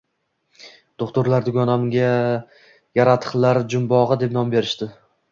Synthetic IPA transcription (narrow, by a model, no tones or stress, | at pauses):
d̪̥oχt̪ʊɾlaɾd̪ʊɡʲɒnamɡʲa | jaɾat̪ʰɨ̥χlˠaɾd͡ʒʊmbɒʁɨd̪e̞p̚nɒmbe̞ɾɪ̥ʃt̪ɪ